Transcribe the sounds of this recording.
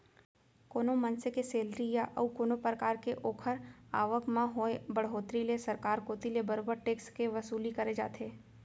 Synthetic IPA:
koːnomɐnsekeseːlɾijaʔɔ̰ːkoːnopɾəkaːɾkeʔoːkʰəɾa̰ːʋəkmãɦoebɐɽɦoːt̪ɾilesɐɾkaːɾkoːt̪ilebɐɾoːbəɾʈeːkskeʋɐsuːlikɐɾed͡ʒa̰ːt̪ʰeː

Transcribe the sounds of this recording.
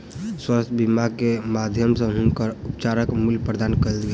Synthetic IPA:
swast̪ʰbimaɡ̚kemad̪ʱjəmsẽɦʊnkəɾʊpt͡ʃaɾəkmuljpɾəd̪aːnkəlɡe

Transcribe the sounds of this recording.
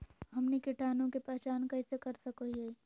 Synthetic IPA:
ɦɐmnikiʈʰaːnõkepɛɦt͡ʃaːnkɐɪsekɐɾsɐkoiɦe

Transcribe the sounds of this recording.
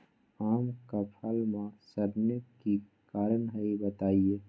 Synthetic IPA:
aːmkəpʰalmasəɾnəki | kaːɾənɦəibət̪aie

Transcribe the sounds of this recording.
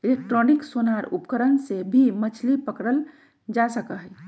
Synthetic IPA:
ilek̚ʈɾoniksonaɾṵpkəɾənsebʱimət͡ʃʰlipəkɾəl | d͡ʒasəkəɦɛ

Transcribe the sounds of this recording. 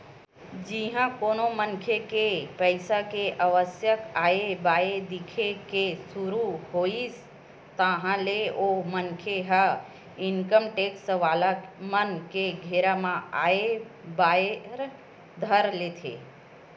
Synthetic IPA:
d͡ʒĩɦãkonomənkʰjekepəjsakeʔəʋəsjəkaebaed̪ikʰekesuɾuɦois | t̪əɦãleomənkʰeɦə | ɪnkəmʈeksəʋalamənkeɡʱeɾamãaebaeɾ | d̪ʱəɾlet̪ʰḛ

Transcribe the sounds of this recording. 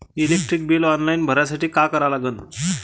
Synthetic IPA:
ilek̚ʈɾik̚bilɔnlainbʱəɾjasaʈiːkakəɾalaɡən

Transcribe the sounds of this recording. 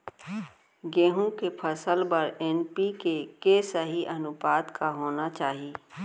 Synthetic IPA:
ɡeːɦũkepʰɐsəlbɐɾɛːnpikekesəɦiʔɐnʊbaːd̪kaɦoːnat͡ʃaːɦiː

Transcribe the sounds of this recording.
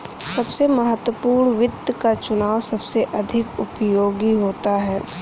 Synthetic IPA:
sɐbsemɐɦət̪wəpuːɾɳʋɪd̪kat͡ʃʊnaːʋsɐbseʔɐd̪ʱɪkʊpjoːɡiɦoːt̪aɦɛː

